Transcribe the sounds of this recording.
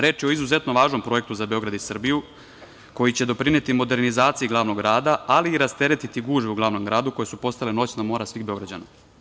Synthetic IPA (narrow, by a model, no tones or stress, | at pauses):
ɾe̞ːt͡ʃio̞izuze̞t̪noʋaːʒno̞mpɾo̞je̞k̚t̪uzabe̞o̞ɡɾad̪isr̩biju | ko̞jit͡ɕe̞d̪o̞pɾine̞t̪imo̞d̪e̞ɾnizaːt̪sijiɡlˠaːʋno̞ɡɡɾaːd̪aaliːɾast̪e̞ɾe̞t̪it̪iɡuːʒβeuɡlˠaːʋno̞mɡɾaːd̪uko̞jesupo̞st̪aleno̞ːt͡ɕnamo̞ɾasʋiːɣbeo̞ɡɾad͡ʑa̰ːna̰